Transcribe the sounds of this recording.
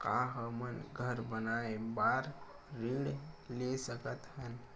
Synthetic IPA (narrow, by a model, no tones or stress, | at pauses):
ka̰ɦəmənɡʱəɾbənaebaɾ | ɾiɽlesəkət̪hən